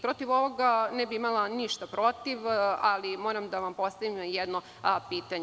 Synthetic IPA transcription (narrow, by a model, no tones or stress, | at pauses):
pɾo̞t̪iʋo̞ʋoɡanɛbiimalˠaniʃt̪apɾo̞t̪iʋalimo̞ːɾamd̪aʋampo̞st̪aʋimjɛd̪no | piːt̪aɲ